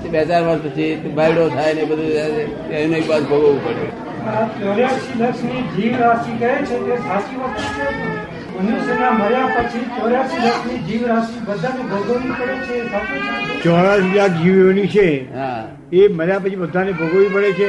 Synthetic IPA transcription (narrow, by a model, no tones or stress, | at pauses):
beɦt͡ʃaɾʋəɾɡpət͡ʃʰibʱaiɽot̪ʰajnebəd̪ʱuae | ainoikbat̪bʱəɡoʋũpəɽe | at͡ʃoɾjasiləksnid͡ʒiʋɾasikəɦet͡ʃʰet̪ebʱasimãkəʃeɦət̪e | ənisənaməɾjapət͡ʃʰit͡ʃoɾjasiləksnid͡ʒiʋɾasibəd̪ʱanebʱəɡəʋipəɽet͡ʃʰeːsʰaket͡ʃʰet͡ʃɔɭasilak̚d͡ʒiʋonit͡ʃʰeɦã | eməɾjapət͡ʃʰibəd̪ʱanebʱəɡoʋipəɽet͡ʃʰe